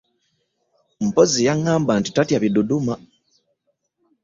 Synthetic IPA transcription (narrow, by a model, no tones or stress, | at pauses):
m̩pozijaŋːaːmbantitatjaβiduduma